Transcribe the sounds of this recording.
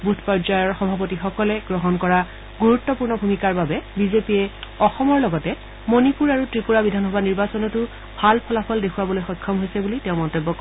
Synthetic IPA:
butʰpɔzajɔɹxɔbʱapotixɔkɔlɛɡɹɔɦɔnkɔɹa | ɡuɹutːɔpuɹnɔbʱumikaɹbabɛbizepiɛɔxɔmɔɹlɔɡɔtɛ | monipuɹaɹutɹipuɹabidʱanxɔbaniɹbasɔnɔtʊ | bʱalpʰɔlapʰɔldekʰuwabɔlojxɔjkʰːɔmɦojsɛbuliteʊ̃mɔntobːɔkɔ

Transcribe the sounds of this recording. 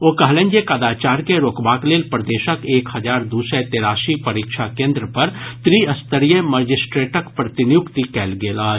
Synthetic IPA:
oːkɐɦlẽːnd͡ʒekaːd̪aːt͡ʃaːɾkeɾoːkbaːkleːlpɾd̪eːʃəkeːkhɐd͡ʒaːɾd̪uːsɛt̪eːɾaːʃipɐɾiːkʃʰakẽːnd̪ɾəpɐɾt̪ɾiɐst̪əɾijeməd͡ʒɪsʈɾeːʈəkpɾɐt̪ɪnjʊkt̪ikɛːlɡeːlaː

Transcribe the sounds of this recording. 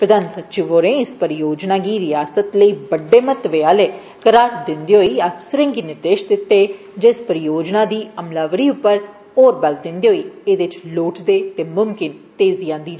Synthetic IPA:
pɾəd̪aːnsətːʃɪʋoːɾẽːɪspəɾɪjoːd͡ʒnaːɡiːɾɪjaːsət̪ləiːbəɖːeːmət̪ʋeːaːleː | kəɾaːɾd̪ɪnd̪iːɦoiːasɾɪ̃ŋɡinɪɾd̪eːʃd̪ɪt̪ːeː | d͡ʒɪspəɾɪjoːd͡ʒnãːd̪iːəmlaːʋəɾiːʊpːəɾ | oːɾbɛld̪ɪnd̪eːɦoːiːeːd̪ɪt͡ʃloːʈʰd̪eːt̪eːmʊmkɪnt̪eːziːãːnd̪iːd͡ʒ

